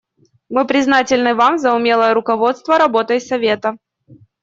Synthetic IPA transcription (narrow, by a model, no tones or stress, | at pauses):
mɨpɾʲɪznatʲɪlʲnɨvamzɐʊmʲe̞lˠəjəɾʊkɐvo̞t̪st̪vəɾɐbo̞t̪əjsɐvʲe̞t̪ə